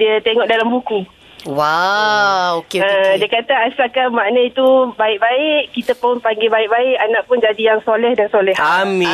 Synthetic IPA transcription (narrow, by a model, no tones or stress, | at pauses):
diət̪eŋɔʔdalambuku | wa | okeədiəkat̪əaslakamaʔnəit̪ubaɪʔ̚baɪʔkit̪əpʊnpaŋɡebaɪʔ̚baɪʔanaʔ̚pʊnd͡ʒadijaŋsolɛhdansolɛhamĩ